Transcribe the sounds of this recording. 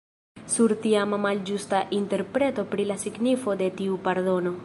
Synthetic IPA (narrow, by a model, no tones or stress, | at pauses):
suɾt̪iamamald͡ʒust̪aʔint̪eɾpɾet̪opɾilasiɡnifod̪et̪iupaɾdono